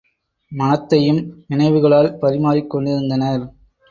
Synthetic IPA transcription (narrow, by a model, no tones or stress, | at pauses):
mɐnɐt̪ːɐjɯmnɪnɐɪʋɯɣɐɭaːlpɐɾɪmaːɾɪkːɔɳɖɪɾɯnd̪ɐnɐɾ